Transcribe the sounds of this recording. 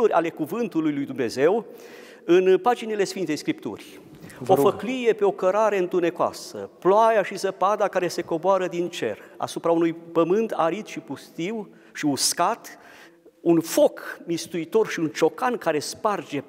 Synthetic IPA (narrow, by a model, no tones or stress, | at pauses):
uɾʲʔa̰le̞kuvɨnt̪ulujlujd̪umne̞ze̞w | ɨnpad͡ʒinile̞sfint̪ejskɾip̚t̪ṵrʲ | ofəklije̞pe̞o̞kəɾaɾe̞ɨnt̪une̞koa̰sə̰ploajaʃizəpad̪akaɾe̞se̞ko̞boaɾəd̪int͡ʃe̞̰ra̰supɾaunujpəmɨnt̪aɾit̪ʃipust̪iw | ʃiuskat̪ | unfo̞kmist̪uit̪o̞rʃiunt͡ʃo̞kankaɾe̞spard͡ʒe̞